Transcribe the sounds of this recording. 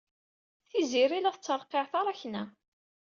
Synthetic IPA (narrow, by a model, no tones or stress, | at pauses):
θiziɾilæθət͡sːəɾˤqeʕθɑɾˤɑçnæ